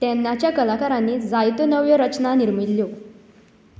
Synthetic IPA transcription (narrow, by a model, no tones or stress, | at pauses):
t̪ɛnːat͡ɕjakəlakaɾanːiːd͡zajt̪onəʋjəɾət͡ɕnaniɾmilːjo